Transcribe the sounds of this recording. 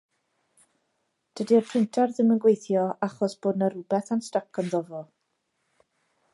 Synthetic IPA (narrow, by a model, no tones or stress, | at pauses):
d̥ədiərpʰrɪntʰarðɪmənɡwejθjɔaχɔsb̥oːdnəɾʊbɛθanstakʰɔnðɔvɔ